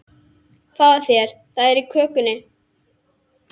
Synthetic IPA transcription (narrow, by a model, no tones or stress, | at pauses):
faðaθjɛɾ̥ | θaðɛɾikʰœːkʏnɪ